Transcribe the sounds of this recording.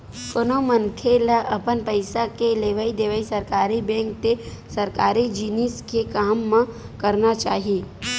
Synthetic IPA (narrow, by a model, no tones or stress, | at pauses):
konomənkʰelaʔɐpənpəɪsakeleːʋaid̪eːʋaisɐɾkaːɾibɛ̃ːŋk̚t̪esɐɾkaːɾid͡ʒiniskekaːmːã | kəɾnat͡ʃaːɦie